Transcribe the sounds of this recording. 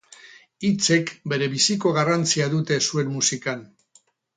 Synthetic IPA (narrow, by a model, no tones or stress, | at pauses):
it͡se̞kbe̞ɾe̞βisiko̞ɣarant͡siaðut̪e̞sue̞nmusikan